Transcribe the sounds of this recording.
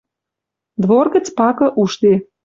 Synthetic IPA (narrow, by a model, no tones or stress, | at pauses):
d̪βorɡə̆t͡spɑkɤ̆ʔuʃt̪e